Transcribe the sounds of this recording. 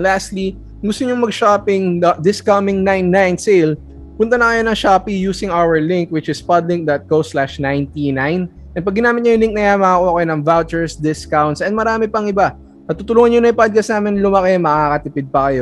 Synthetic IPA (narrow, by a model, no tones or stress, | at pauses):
last̪li | ŋɡʊst̪oɲʊŋmɐɡʃapɪŋdɐd̪ɪskɐmɪŋnajnːajnsel | pʊnt̪ɐnɐkɐjo̞nɐŋʃapijuːsɪŋawɛɹlɪŋk̚wɪt͡ʃɪspad̪lɪŋk̚d̪ɐt̪̚koslaʃnãjnt̪inajn | ʔɛn̚pɐɡɪnaːmɪt̪̚ɲɐjʊŋlɪŋk̚nɐjaːmɐŋɐkoɐkɐjnɐŋvawt͡ʃɛɹsd̪ɪskawnt̪sɐn̚mɐɾaːmɪpɐŋʔɪba | nɐt̪ut̪ʊluːŋɐnɲonɐjpad̪̚kɐsnaːmɛnlʊmɐkemɐkakɐt̪ɪpɪd̪̚pɐkɐjo̞